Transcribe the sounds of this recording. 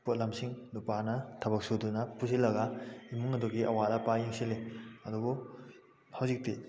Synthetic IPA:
pot̚lɐmsiŋlupanɐtʰɐbɐk̚sudunɐpusilɐɡaimuŋɐdɔɡiʔɐwalɐpajiŋsileɐdubu | hawzik̚ti

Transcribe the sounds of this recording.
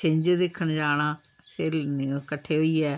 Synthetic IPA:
t͡ʃẽɲd͡ʒd̪ekʰːəɳd͡ʒaːɽ̃aː | seɾkəʈʰːeːɦoːiːɛː

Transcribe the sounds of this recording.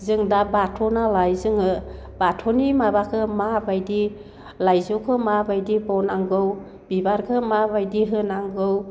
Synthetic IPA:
zɯŋdabatʰɔnalajzɯŋɯ | batʰɔnimabakʰɯmabajdi | lajzɔkʰɯmabajdibɔwnaŋɡɯw | bibaɾkʰɯmabajdiɦɯnaŋɡɯw

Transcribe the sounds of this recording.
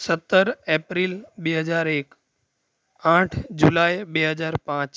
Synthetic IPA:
sət̪ːəɾeːpɾilɓeːɦəzaːɾeːk | ãːʈʰd͡ʑulaːjɓeːɦəzaːɾpãːt͡ɕ

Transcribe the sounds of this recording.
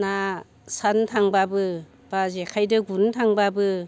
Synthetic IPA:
na | santʰaŋbabɯ | b̥azekʰajdɯɡuntʰaŋbabɯ

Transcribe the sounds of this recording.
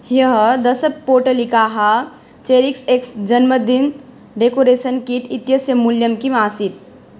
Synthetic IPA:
jəɦd̪ɐsəpoːɾʈəlikaːɦa | t͡ʃeːɾikseksd͡ʒɐnməd̪in | ɖekoɾeːsənkiʈ̪ʰit̪jəsjəmuljəmkimaːsit̪̚

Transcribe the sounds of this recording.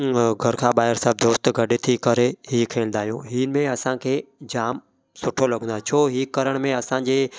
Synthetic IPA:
ɡʱɐɾkʰãːɓaːɦɪɾsəːb̚d̪oːst̪ɡʱɐɗet̪ʰikɐɾeɦiːkʰeːlnd̪aːɦijũɦiːnmẽɐsãkʰeːd͡ʑaːm | sʊʈʰolɐɠ̃nd̪at͡ɕʰoːɦiːkɐɾəɽ̃mẽɐsãd͡ʑeː

